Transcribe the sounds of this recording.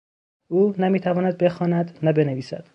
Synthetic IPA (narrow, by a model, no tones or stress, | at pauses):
uːnæmiːt̪ʰævɒːnæd̪̚be̞xɒːnæd̪næbe̞neviːsæ̰d̪̥